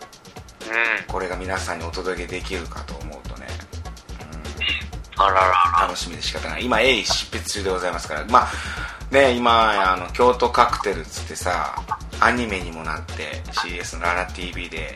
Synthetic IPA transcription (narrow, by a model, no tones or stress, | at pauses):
ɯ̃ko̞ɾe̞ɡamʲinasãɲ̟ːio̞t̪o̞d̪o̞kʲe̞d̪e̞kʲiɾɯ̟ka̰t̪o̞ːmo̞ɯ̟t̪o̞ne̞̰ɯ̟̃ | aɾaɾat̪ano̞ɕimʲid̪e̞ɕi̥kat̪ːanaaimaeiɕi̥pːet͡sɨ̥t͡ɕɨːd̪e̞ɡo̞zaimasɨ̥kaɾa̰mane̞imaano̞kʲo̞ːt̪o̞kakɯ̟̥t̪e̞ɾɯ̟t͡sɨ̥t̪ːe̞sa̰ː | ɲ̟ime̞ɲ̟imo̞nat̪ːe̞̰ɕiːe̞sɨnoɾaɾat̪iːbʲiːd̪e̞